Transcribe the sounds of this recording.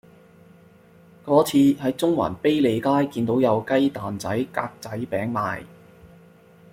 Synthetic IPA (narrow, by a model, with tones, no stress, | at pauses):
kɔː˨˥t͡sʰiː˧hɐ˨˥jt͡sʊ˥ŋwa̰ː˨˩npe˥jle˨˧jkaː˥jkiː˧nt̪o˨˥wjɐ˨˧wkɐ˥jt̪aː˨nt͡sɐ˨˥jka̰ː˧k̚t͡sɐ˨˥jpɛː˨˥ŋma̰ː˧j